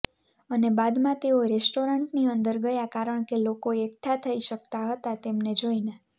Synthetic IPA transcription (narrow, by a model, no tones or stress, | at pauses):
ənebad̪mãt̪eoɾesʈoɾəɳʈniənd̪əɾɡəjakaɾəɳkelokoekʈʰat̪ʰəiʃək̚t̪aɦət̪at̪emned͡ʒoine